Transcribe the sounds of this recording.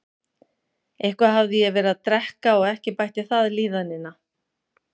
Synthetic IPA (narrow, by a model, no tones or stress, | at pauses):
ejhkvaɦavðɪjɛvɛːɾaðt̪ɾɛhkaɔɣɛhcɪpajht̪ɪθaðliːðanːɪna